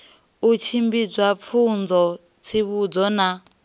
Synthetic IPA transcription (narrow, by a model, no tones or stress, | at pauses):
ut͡ʃʰimbid͡zwap̪fʰund͡zɔ | t͡sʰiβud͡zɔna